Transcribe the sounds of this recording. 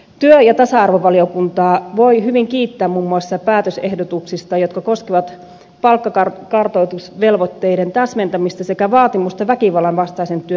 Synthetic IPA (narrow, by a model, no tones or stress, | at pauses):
t̪yøjɑt̪ɑsɑɑrʋoʋɑliokunt̪ɑːʋoiɦyʋiŋkiːt̪ːæːmmumːuɑsːɑpæːt̪øsehdot̪uksist̪ɑjot̪kɑkoskeʋɑt̪ | pɑlkːɑkɑrkɑrt̪oit̪usʋelʋot̪ːeident̪æsment̪æmist̪ɑsekæʋɑːt̪imust̪ɑʋækiʋɑlːˑɑnʋɑst̪ɑisent̪yø